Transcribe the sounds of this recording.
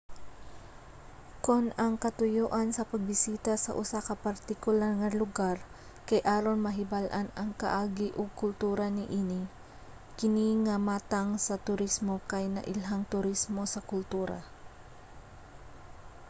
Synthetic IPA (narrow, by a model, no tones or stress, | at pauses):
kʊnɐŋkɐt̪ʊjoːʔansɐpɐɡ̚bɪsiːt̪asɐ̰ʔʊsakɐpɐɾt̪ɪkʊlaɾŋɐlʊɡaɾ | kajʔaːɾonmɐɦɪbalʔanɐŋkɐ̰ʔaːɡɪʔʊɡ̚kʊlt̪uːɾanɪʔiːnɪ | kɪniŋamaːt̪aŋsɐt̪ʊɾismokajnɐ̰ʔɪlɦaŋt̪ʊɾismo̞sɐkʊlt̪uːɾa̰